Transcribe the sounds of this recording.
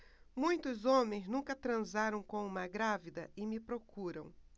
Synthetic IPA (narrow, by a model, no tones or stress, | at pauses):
mũj̃t̪ʊzõmẽj̃znũkɐt̪ɾɐ̃zaɾɐ̃w̃kõũmɐɡɾavid̪ɐɪmɪpɾokuɾɐ̰̃w̃